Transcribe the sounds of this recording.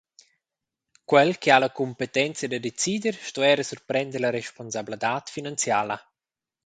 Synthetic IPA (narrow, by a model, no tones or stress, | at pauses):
kwɛlkialakumpet̪ɛnt͡sjad̪ədet͡sid̪əɾʃtɔɛɾəsurpɾɛnd̪əɾlaɾeʃponsablad̪aːt̪finant͡sjaːla